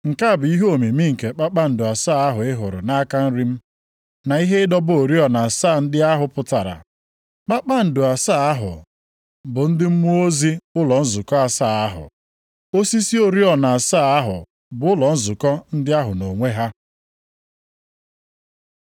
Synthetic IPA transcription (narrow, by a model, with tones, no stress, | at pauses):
ŋ̩˨ka˦˨bʊ˨i˦ɦo˨mi˨mi˦ŋ̩˨ke˨k͡pa˦k͡pa˦n̩˨dʊ˨a˨saː˦˨a˦ɦʊ˨ɪ˦ɦʊ˨ɾʊ̰˨na˦ka˦n̩˦ɾi˦m̩˦ | na˨i˦ɦe˦ɪ˦dɔ˦bo˨ɾi˦ɔ˨na˨saː˦˨n̩˦dɪ˦a˦ɦʊ˨pʊ˨ta˨ɾa̰˨ | k͡pa˦k͡pa˦n̩˨dʊ˨a˨saː˦˨a˦ɦʊ̰˨ | bʊ˨n̩˦dɪ˦m̩˦mu˦o˦zi˦ʊ˦lɔ˨n̩˦zʊ˨kɔ˦a˨saː˦˨a˦ɦʊ̰˨ | o˦si˦si˦o˨ɾi˦ɔ˨na˨a˨saː˦˨a˦ɦʊ̰˨ | bʊ˨˦ʊ˦lɔ˨n̩˦zʊ˨kɔ˦n̩˦dɪ˦a˦ɦʊ˨no˨ŋʷe˦ɦa˦